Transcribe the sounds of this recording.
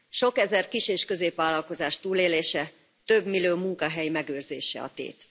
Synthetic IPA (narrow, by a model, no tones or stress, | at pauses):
ʃo̞kɛzɛrkiʃeːʃkø̞zeːpʋaːlːɒlko̞zaːʃt̪uːleːleːʃɛ | t̪ø̞bmiløːmuŋkɒɦɛjimɛɡøːrzḛːʃɛ̰ɒ̰t̪ḛːt̪